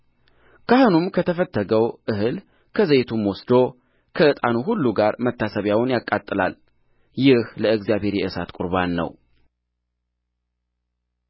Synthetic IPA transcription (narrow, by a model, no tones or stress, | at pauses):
kʰahɨnumkʰət̪ʰəfət̪ːəɡəwʔɨhɨl | kʰəzəjt̪ʰumwɔsd̪o | kʰəɨt̪ʼanuɦulːuɡaɾmət̪ʰːasəβjawnjakʼːat̪ʼːɨla̰l | jɪhləɨɡzjaβhe̞ɾjɛʔɨsat̪kʼuɾβanːə̰w